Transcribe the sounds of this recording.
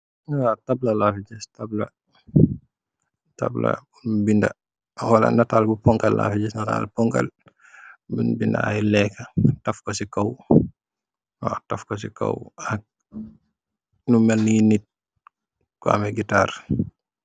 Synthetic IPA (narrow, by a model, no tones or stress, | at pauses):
atab̚lɐlafid͡ʒɛstablɐ | ta̰blɐ̰unbindɐ̰ | walɐ̰nataːlbupɔŋkɐlːa̰ːfiɟɛsnata̰lpɔŋkɐ̰l | binbinda̰ajlɛkɐtɐfkɔsikɔw | tɐfkɔsikɔ̰wak̚ | numɛlninit̚ | kɔa̰mɛɡitaːr